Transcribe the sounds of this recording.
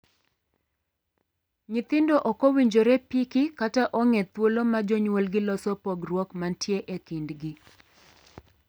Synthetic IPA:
ɲɪt̪ɪndɔʔɔkowiɲd͡ʒoɾɛpikɪkataʔɔŋet̪wolomad͡ʒoɲwolɡɪlɔsɔpɔɡrwɔkmantjeʔekindɡɪ

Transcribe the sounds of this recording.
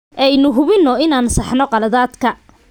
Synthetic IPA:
ʔɛjnʊɦʊβɪnːɔɪnaːnsɑħnɔqɑlɐðaːd̪kʰɐ

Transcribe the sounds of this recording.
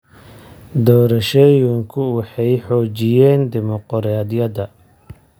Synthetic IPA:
d̪ɔːɾɐʃɛjʊŋkʰʊwɑħɑjħɔːt͡ʃɪjɛːnd̪ɪmɔqɔɾaːd̪jɐðɐ

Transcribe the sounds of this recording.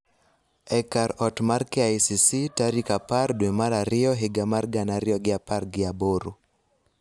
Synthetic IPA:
ɛkaɾɔtmarkɛajsisitaɾikapardwemaɾaɾɪɔɦɪɡamarɡanaɾɪɔɡɪaparɡɪaboɾu

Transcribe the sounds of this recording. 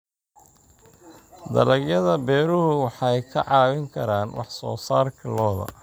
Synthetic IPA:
d̪ɐ̰lɐɡjɐðɐbɛːɾʊhʊwɑħɑjkʰɐʕɑːwɪŋkʰɐɾaːnwʔɑ̰ħsɔ̰ːsaːrkʰɐlɔːðɐ̰

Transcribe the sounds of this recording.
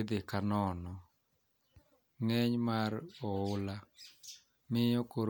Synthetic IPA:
d̪ɪkanɔnɔ | ŋɛɲmaɾɔʊla | mɪjɔkoɾ

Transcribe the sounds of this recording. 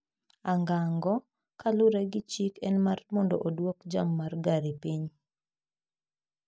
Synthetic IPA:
aŋɡaŋɡɔ | kalʊɾɛɡɪt͡ʃikɛnmarmɔndɔ̰ʔodwɔkd͡ʒamːarɡaɾipiɲ

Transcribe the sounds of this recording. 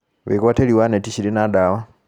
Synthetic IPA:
βḛkwateliwanetiɕilinadawa

